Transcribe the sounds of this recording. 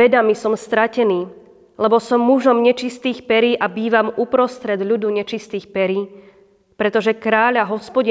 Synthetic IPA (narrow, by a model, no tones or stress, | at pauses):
ɛd̪amisɔmst̪ɾacɛniː | lɛbɔsɔmːuʒɔmɲɛt͡ʃist̪iːxpɛɾiːʔabiːʋamupɾɔst̪ɾɛd̪ʎud̪uɲɛt͡ʃist̪iːxpɛɾiː | pɾɛt̪ɔʒɛkɾaːʎaɦɔspɔɟi